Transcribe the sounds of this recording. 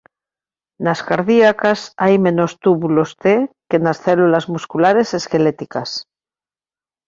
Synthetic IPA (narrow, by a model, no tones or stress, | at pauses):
naskaɾðiakasajmẽ̞nost̪uβulo̞st̪ekenasθelulazmuskulaɾe̞se̞ske̞let̪ikas